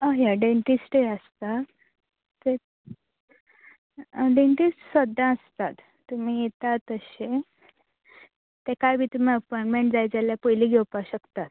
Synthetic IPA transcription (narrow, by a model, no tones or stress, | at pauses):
aɦjaɖeɳʈisʈeəst̪a | t̪e | ɖeɳʈissʋəd̪ãəst̪at̪ːum̤iːjet̪at̪əɕe | t̪ekajbʱiːt̪um̤iəpɔjɳʈmẽɳʈd͡zajd͡zaljapəjliːɡʱewpaɕəkt̪at̪